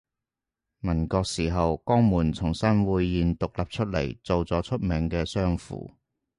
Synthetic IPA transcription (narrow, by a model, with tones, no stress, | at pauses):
mɐ˨˩nkɔː˧k̚siː˨˩ɦɐ˨wkɔː˥ŋmuː˨˩nt͡sʰʊ˨˩ŋsɐ˥nwuː˨˧jːiː˨nt̪ʊ˨k̚lɐ˨p̚t͡ʃʰɵ˥t̚lɐ̰˨˩jt͡so˨wt͡sɔː˨˥t͡ʃʰɵ˥t̚mɪ˨˧ŋkɛː˧sœː˥ŋfṵː˨˩